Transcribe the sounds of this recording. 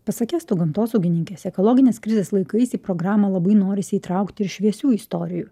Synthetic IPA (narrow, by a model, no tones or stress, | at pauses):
pɐsɐkʲæːst̪ʊɡɐmt̪oːsɐʊɡʲɪnʲɪŋʲkʲɛsɛkɔlˠɔːɡʲɪnʲeːskɾʲɪzʲeːslˠɐɪkɐɪsiːpɾɔɡɾɑːmɐlˠɐbɐɪnoːɾʲɪsʲɪiːt̪ɾɐˑʊkt̪ʲɪɪɾʃʲʋʲiɛsʲuːist̪ɔːɾʲɪjuː